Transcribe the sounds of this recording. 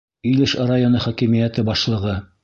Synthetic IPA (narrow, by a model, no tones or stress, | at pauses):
ɵlɘʃɑɾajonɤχɒkimijæt̪ɘbɑʃlˠɤ̆ʁɤ